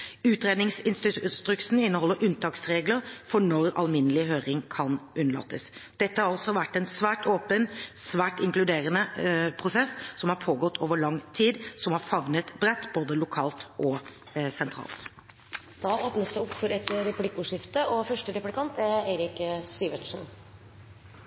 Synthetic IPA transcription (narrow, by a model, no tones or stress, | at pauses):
ʉːt̪ɾeːd̪nɪŋsɪnst̪st̪ɾʉksn̩ɪnːəhɔlːəɾʉnt̪ʰɑːksɾeːɡləɾfɔɳɔɾɑ̰lmɪnːəlɪɦøːɾɪŋkʰɑnʔʉnːəɭɑ̰ːt̪ːəsd̪̥ɛt̪ːəhɑɾɑlsɔʋæʈːɛnsʋæːʈoːpənsʋæːʈɪŋklʉd̪eːɾənəpʰɾʊsɛsːsɔmhɑɾpʰoːɡɔt̪ːʰoːʋəɭɑŋt̪ʰiːd̪sɔmhɑɾfɑʋnət̪bɾɛt̪ːb̥oːd̪əlʊkʰɑːlt̪ʔɔ | sɛnt̪ʰɾɑ̰ːlt̪ | d̪̥ɑoːt̪nəst̪əʊpfɔɾɛt̪ɾɛplɪkːʊʂɪft̪əɔfœʂʈəɾɛplɪkʰɑnt̪æɾeɪɾɪkst̪yːʋəʈ̪ʂn